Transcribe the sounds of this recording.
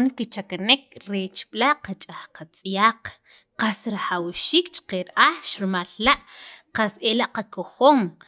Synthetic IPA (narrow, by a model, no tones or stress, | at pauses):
ŋkit͡ʃakanek̚ɾet͡ʃɓ̥ʼlaqat͡ʃʼaχqat͡sʼjaːq | qasɾaxawʃiːkt͡ʃi̥qeɾʔaχʃɾumallaʔqaselaʔqakoχoːŋ